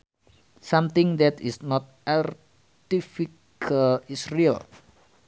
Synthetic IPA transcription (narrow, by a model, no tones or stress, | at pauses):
sãmt̪ɪ̃ŋd̪ɛt̪isnɔt̪̚ʔar | t̪ifikʰalisriə̰l